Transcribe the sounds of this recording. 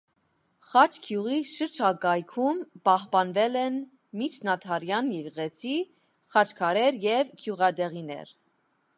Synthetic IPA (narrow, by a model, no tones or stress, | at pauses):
χɑt͡ʃʰkʰjuʁiʃəɾt͡ʃʰɑkɑjkʰumpɑhpɑnvɛlɛn | mit͡ʃʰnɑt̪ʰɑɾjɑnjɛɡʁɛt͡sʰi | χɑt͡ʃʰkʰɑɾɛɾjɛvkʰjuʁɑd̪ɛʁinɛ̰ɾ